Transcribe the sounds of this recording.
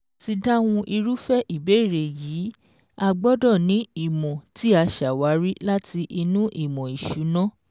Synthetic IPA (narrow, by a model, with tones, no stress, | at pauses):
ti˧da˦w̃ũ˧ʔi˧ɾu˦fɛ˦ʔi˨be˨˦˨ɾe˨jiː˨˦ | a˧ɡ͡bɔ˦dɔ̃˦˨nĩ˨˦i˦˨mɔ̃˨ti˦a˧ʃa˨wa˨˦ɾi˦la˦ti˧ʔi˧nũ˦ʔi˦˨mɔ̃˨i˨ʃu˨˦nɔ̃˦